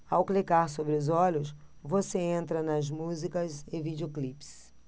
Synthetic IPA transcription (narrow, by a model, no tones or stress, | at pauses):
awklikaɾs̬obɾɪʊzɔʎʊsvoseẽnt̪ɾɐnɐzmuzikɐzɪvid͡ʒioklips